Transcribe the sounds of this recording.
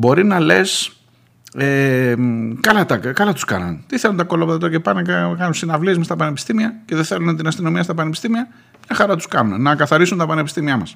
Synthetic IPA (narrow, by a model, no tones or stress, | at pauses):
bo̞ɾinɐle̞s | e | kɐlɐt̪ɐkɐlɐt̪u̥skɐ̰nɐ̰nt̪iθelunt̪ɐko̞lopðɐt̪ocepɐnekɐkɐnunsinɐvliezmest̪ɐpɐnepi̥st̪imiɐceðeθe̞lunet̪inɐst̪ino̞miɐst̪ɐpɐnepist̪imiɐ | mɲɐxɐɾɐt̪u̥skɐnunenɐkɐθɐɾisunt̪ɐpɐnepist̪imiɐmɐs